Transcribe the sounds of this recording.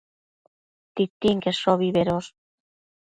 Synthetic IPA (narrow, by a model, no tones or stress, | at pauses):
t̪it̪ːiŋkesoβiβeɾos